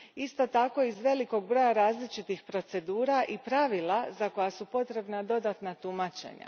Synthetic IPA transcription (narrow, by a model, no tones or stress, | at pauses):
ist̪o̞t̪ako̞izʋe̞liko̞ɡ̚bɾo̞jaɾaːzlit͡ʃit̪ixpɾo̞t̪se̞d̪uːɾaʔipɾaʋilˠazako̞jasupo̞t̪ɾe̞bnad̪o̞d̪at̪nat̪umat͡ʃḛɲa̰